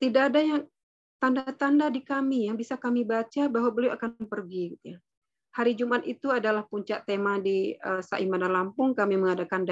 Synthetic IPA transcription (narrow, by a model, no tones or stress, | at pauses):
t̪idaʔːdajaŋ | t̪andat̪andadikamijabisakamibat͡ʃabaɦwabəliawakanpərɡiɡit̪uja | haɾid͡ʒumat̪it̪uadalahpuɲt͡ʃaʔt̪emadiəsa̰ʔimanalampʊŋkamiməŋadakanda